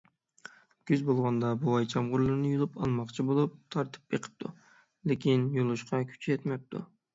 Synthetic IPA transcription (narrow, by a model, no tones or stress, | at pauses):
ɡʲyzbolˠʁɑnd̪ɑbuɑjt͡ʃʰɑmʁʊɾlˠɨɾnɪjolˠupɑ̰lˠmɑqt͡ʃʰibolˠup̚t̪ʰɑɾt̪ʰɨ̥pjeqʰə̥p̚t̪ʰṵ | lekʲinjolˠɨʃqʰɑkʲʰy̥t͡ʃʰɛt̪mɛp̚t̪ʰṵ